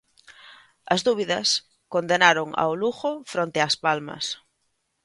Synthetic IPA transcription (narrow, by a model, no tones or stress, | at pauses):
ɐzðuβ̞iðɐs | kond̪enaɾoŋa̰wluxofɾont̪easpalmɐ̰s